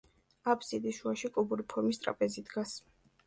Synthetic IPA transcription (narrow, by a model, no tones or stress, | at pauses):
apʰsid̪iʃuaʃikʼubuɾipʰɔɾmist̪ʼɾa̰pʼɛzid̪ɡas